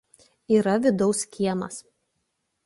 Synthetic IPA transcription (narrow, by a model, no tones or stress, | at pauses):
iːɾɐʋʲɪd̪ɒʊskʲiɛmɐs